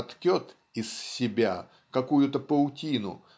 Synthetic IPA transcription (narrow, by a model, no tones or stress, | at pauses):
t̪kʲot̪ | ɪssʲɪbʲa | kɐkujʊt̪əpəlʊtʲinʊ̰